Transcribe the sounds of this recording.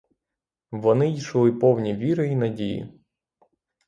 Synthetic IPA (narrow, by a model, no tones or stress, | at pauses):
ʋɔnɪiʃlˠɪpɔwnʲiʋʲiɾɪinɐdʲijḭ